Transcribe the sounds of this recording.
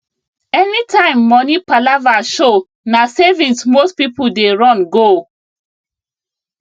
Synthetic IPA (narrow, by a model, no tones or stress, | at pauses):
ɛnitãɪ̃mːɔnipalavaʃo | nasevĩnsmospipudeɹɔ̃nɡo